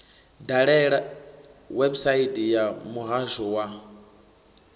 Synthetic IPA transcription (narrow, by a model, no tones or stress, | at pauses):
daɺɛɺa | wɛbsaitijamuɣaʒɔwa